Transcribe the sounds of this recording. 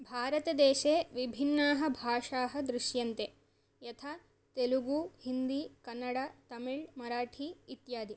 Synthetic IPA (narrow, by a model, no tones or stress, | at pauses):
bʱaːɾɐt̪ɐd̪ɛːʃeːʋibʱinːaːɦɐ̆bʱaːʂaːɦɐ̆d̪ɾuʃjɐnt̪e | jɐt̪ʰaː | t̪eluɡuːhind̪iːkɐnːɐɽaːt̪ɐmiɭmɐɾaːʈʰiːt̪jaːd̪i